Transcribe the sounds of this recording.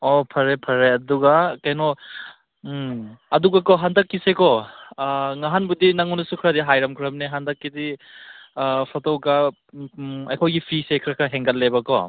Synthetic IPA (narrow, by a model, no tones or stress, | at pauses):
ɔpʰɐɾepʰɐɾeɐduɡakajno | ɐduɡakɔɦandɐkːisekɔ | ŋaɦanbudinaŋunɐsukʰɾadiɦajɾɐmkʰɾɐmneɦandɐkːidi | pʰɔtɔwka | ɐjkʰɔjɡipʰɾisekʰɾɐkʰɐɦeŋɡɐtlebɐkɔ̰